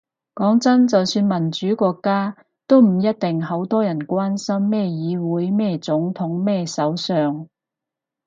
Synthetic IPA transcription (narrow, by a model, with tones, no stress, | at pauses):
kɔː˨˥ŋt͡sɐ˥nt͡sɐ˨wsyː˧nmɐ˨˩nt͡ʃyː˨˥kɔː˧kːaː˥ | t̪o˥wm̩˨˩jɐ˥t̚t̪ɪ˨ŋɦɐ˨˥wt̪ɔː˥jɐ˨˩nkʷaː˥nsɐ˥mːɛː˥˧jiː˨˧wuː˨˥jmɛː˥t͡sʊ˨˥ŋt̪ʰʊ˨˥ŋmɛː˥sɐ˨˥wsœː˨ŋ